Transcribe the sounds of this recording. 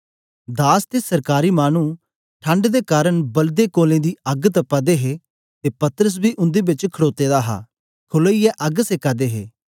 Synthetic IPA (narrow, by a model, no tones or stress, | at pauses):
d̪aːst̪eːsəɾkaːɾiːmaːnũː | ʈʰə̃ɳɖd̪eːkaːɾəɳbəld̪eːkoːlẽːd̪iːɐɡt̪əpːaːd̪eːɦeː | t̪eːpɐt̪əɾəs̬biːʔʊ̃nd̪eːbɪt͡ʃkʰəɽoːt̪eːd̪aːɦa̰ː | kʰʊləijɛʔɐɡsekaːd̪eːɦeː